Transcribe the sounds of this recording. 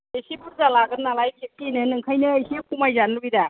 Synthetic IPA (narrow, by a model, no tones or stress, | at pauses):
ejsibuɾzalaɡɯnːalajbikinɯnɯŋkʰajnɯːjsikʰumajzanubida